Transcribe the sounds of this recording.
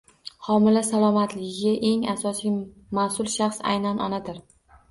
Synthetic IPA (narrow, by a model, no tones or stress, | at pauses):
hɒmɪlasalˠɒmat̪ʰlɪɡʲɪɡʲaʔe̞ŋasɒsij | masʊlˠʃaχsa̰jnanʔɒnad̪ɪɾ